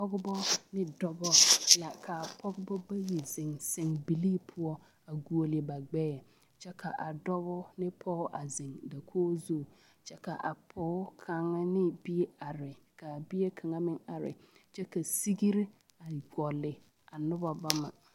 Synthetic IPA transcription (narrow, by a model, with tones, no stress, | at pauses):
pɔ˦ɡʊ˦bɔ˦nɪ˦dɔ˦bɔ˦la˨kʰa˨pʰɔ˦ɡʊ˦bɔ˦ba˦ji˨zɪ˨ŋsɪ˨ŋbi˨liː˦pʰʊ˦ɔ˦ | a˨ɡu˨o˨lɪ˨ba˨ɡ͡bɛː˦˨ | t͡ʃɛ˦kʰa˨ʔa˨dɔ˦bɔ˦nɪ˦pʰɔ˦ʔa˨zɪ˨ŋda˨kʰoː˦zo˦˨ | t͡ʃɛ˦ka˨ʔa˨pʰɔ˨˦kʰa˨ŋa˦nɪ˦bi˦e˦a˨ɾɪ˨ka˨bi˦e˦kʰa˨ŋa˦mɪ˦ŋa˨ɾɪ̰˨t͡ʃɛ˦ka˨si˦ɡi˦ɾi˦ | a˨ɡɔ˨lɪ˨ | a˨nʊ˦ba˦ba˦ma̰˨